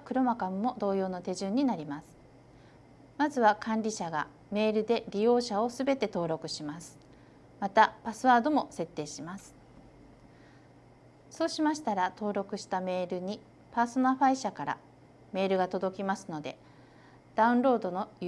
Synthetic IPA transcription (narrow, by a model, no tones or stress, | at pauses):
kɯ̟ɾo̞makamɯːo̞d̪o̞ːjo̞ːno̞t̪e̞ʑɨ̃ɲ̟ːinaɾʲimasɨ̥ | mazɨβakʰãnɾʲiɕaɡa̰ | me̞ːɾɯ̟d̪e̞ɾʲijo̞ːɕao̞sɨbe̞t̪e̞t̪o̞ːɾo̞kɯ̟ɕimasɨ̥ | mat̪apasɨβaːd̪o̞mo̞se̞t̪ːe̞ːɕimasɨ̥ | so̞ːɕimaɕi̥t̪aɾat̪o̞ːɾo̞kɯ̟ɕi̥t̪ame̞ːɾɯ̟ɲ̟i | paːso̞naɸaiɕakaɾa̰ | me̞ːɾɯ̟ɡat̪o̞d̪o̞kʲimasɨno̞d̪e̞̰ | d̪̥aɯ̟̃nɾo̞ːd̪o̞no̞